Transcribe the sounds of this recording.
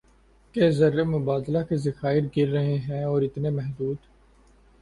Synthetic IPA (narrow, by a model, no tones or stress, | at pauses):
kezɐɾːemʊbaːd̪lakezɐxaːɪɾɡɪɾːɐɦeɦɛ̃ɔːɾɪt̪nemɛɦd̪uːd̪